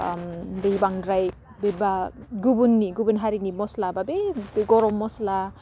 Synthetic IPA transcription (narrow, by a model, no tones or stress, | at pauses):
mdejbaŋdɾaj | bebaɡubunːiɡubunɦaɾinimɔslababebeɡɔɾɔmːɔsla